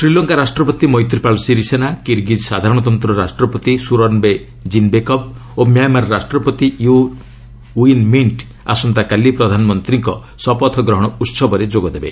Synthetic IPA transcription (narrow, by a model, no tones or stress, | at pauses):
sɾilɔŋkaɾasʈɾɔpɔt̪imɔjt̪ɾipalsiɾisenakiɾɡid͡ʒ̪sad̪ʱaɾɔɽ̃ɔt̪ɔnt̪ɾɔɾasʈɾɔpɔt̪isuɾɔnbe | d͡ʒinbekɔp̚omjamaɾɾasʈɾɔpɔt̪iju | inmiɳʈ | a̰sɔnt̪akalipɾɔd̪ʱanɔmɔnt̪ɾiŋkɔ | sɔpɔt̪ʰɔɡɾɔɦɔɽ̃ɔut̪sɔbɔɾed͡ʒoɡɔd̪ebḛ